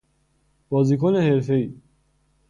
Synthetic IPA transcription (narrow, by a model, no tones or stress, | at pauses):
b̥ɔːzikʰoneheɾfei